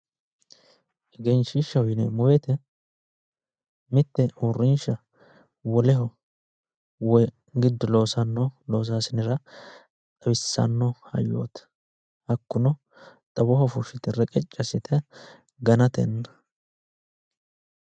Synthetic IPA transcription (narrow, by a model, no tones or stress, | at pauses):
ʔɛɡɛnʃɪʃːɐwʊjnɛmʊwɛt̪ɛ | mɪt̪ːɛurːɪnʃɐ | wɔlɛɦɔ | wɔ | ɡɪd̪ːɔlo̞ːsɐnːɔloːs̬aːsɪnɪɾɐ | t̪ʼɐbɪsːɐ̰nːɔhɐ̰jːo̰ːt̪ | hɐkːʊnɔ | t̪ʼɐbɔhɔfʊʃɪt̪ɛrɛkʼɛt͡ʃʼːɐsɪt̪ʰɛ | ɡɐnɐt̪ɛ̰nːɐ